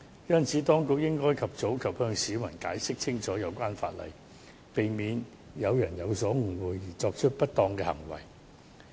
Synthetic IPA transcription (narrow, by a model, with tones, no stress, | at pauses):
jɐ˥nt͡sʰiː˨˥t̪ɔː˥ŋkʊ˨k̚jɪ˥ŋkɔː˥jkʰɐ˨p̚t͡so˨˥wkʰɐ˨p̚hœː˧ŋsiː˨˥mɐ˨˩nkaː˨˥jsɪ˥k̚t͡sʰɪ˥ŋt͡sʰɔː˨˥jɐ˨˧wkʷaː˥nfa̰ː˧t̚lɐ̰˨˩j | pe˨jmiː˨˧n | jɐ˨˧wjɐ˨˩njɐ˨˧wsɔː˨˥ŋ̩˨˩wuː˨˧jːiː˨˩t͡sɔː˧k̚t͡ʃʰɵ˥t̚pɐ˥t̚t̪ɔː˧ŋkɛː˧hɐ̰˨˩ŋwɐ̰˨˩j